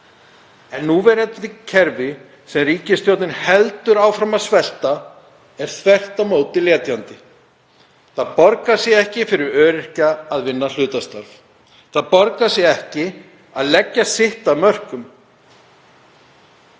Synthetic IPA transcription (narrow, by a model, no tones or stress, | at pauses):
ɛnːuvɛɾɛt̪ɪcʰɛɾvɪ | sɛmriːcɪst̪jowt̪nɪnhɛlt̪ʏɾaːwfɾamasvɛl̥t̪a | ɛɾ̥θvɛr̥t̪amoːwt̪ɪljɛːt̪jant̪ɪ | θaðpɔɾkasjɛɣɛhcɪfɪɾɪɾœːɾɪr̥caːðvɪnːal̥ʏːt̪ast̪aɾv | θaðpɔɾkasjɛɛhcɪ | aðlɛcːasɪht̪aðmœr̥kʏm